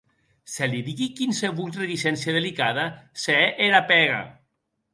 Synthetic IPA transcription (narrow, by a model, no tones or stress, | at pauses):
seliðiɣikinseβult̪ret̪isɛnsjað̞elikaðaseeʔeɾapɛɣa̰